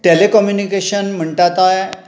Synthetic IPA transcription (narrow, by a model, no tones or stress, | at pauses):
ʈelekɔmjunikeɕənm̤əɳʈat̪aj